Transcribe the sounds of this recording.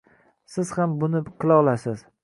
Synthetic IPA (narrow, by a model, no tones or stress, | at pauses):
sɪz̥hambʊnɪqʰɨlˠɒʁlˠasɪz̥